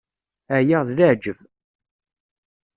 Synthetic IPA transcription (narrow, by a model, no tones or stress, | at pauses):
æjaʁðlaʕd͡ʒəv